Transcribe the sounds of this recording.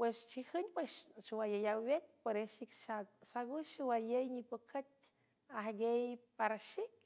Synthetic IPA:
pwest͡ʃihɨɲpwesʃuwajəjawwjet̪̚poɾeʃikʃat̪̚saɡuʃiwajəjɲipəkʰət̚ | aɦɡejpaɾaʃik̚

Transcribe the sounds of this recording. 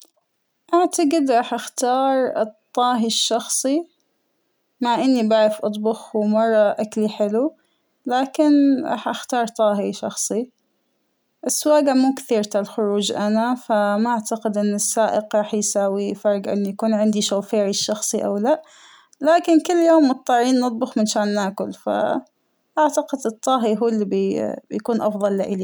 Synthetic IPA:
ʔaʕt̪aɡɪd̪ɾˤɑːħʔaxt̪ɑːɾˤt̪ˤːɑːɦiʃːɑxsˤi | maʕʔɪnːibaʕɾɪfʔɑt̪ˤbʊxwmɑrˤːɑʔakliħɪlu | laːkɪnɾˤɑ̰ːħʔaxt̪ɑːɾˤt̪ˤɑːɦiʃɑ̰xsˤi | ʔɪsːwaːɡamuːkθiːɾt̪alxʊɾuːd͡ʒʔanafamaʔaʕt̪aqɪd̪ʔɪnːɪsːaːʔɪqɾˤɑːħjsaːwifɑɾˤɡʔɪ̰nːjakuːnʕɪnd̪iʃawfeːʕiʃːɑxsˤiʔa̰wlaʔ | laːkɪnkʊlːjoːmːʊt̪ˤːɑʕːiːnːɨt̪̚ˤbʊxmɪnʃaːnːaːkʊlfa̰ | ʔaʕt̪aqɪd̪ʔɨt̪ˤːɑːɦiɦuːlːibibjakuːnʔɑfðˤɑlːɪʔɪli

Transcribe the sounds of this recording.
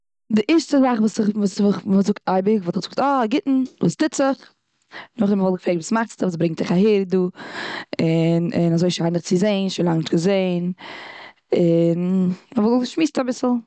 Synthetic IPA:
dɪʔɛɾʃtəzaχvuːsɪχvuːsvχvuːzʊktaɪbɪɡvuːtɪχz̥ʊk̚tɔaɡɪtn̩vuːstɪt͡sɪχ | nʊχdɛməvɔlˠɡəfɾeːktviːsmaχtt͡stəvuːs̬bɾɪŋtɪχaheːɾduː | ɪnɪnazoɪʃaɪnəχt͡sɪzeɪnʃonlaŋnɪʃtɡəzeɪn | ɪnməvɔllˠɡəʃmiːsabɪsl̩ˠ

